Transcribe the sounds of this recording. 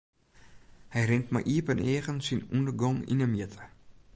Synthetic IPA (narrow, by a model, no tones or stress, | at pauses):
hɛjrɪntma̰ʔiəpənʔeːχənsinundərɡɔŋḭnəmjitʰə̥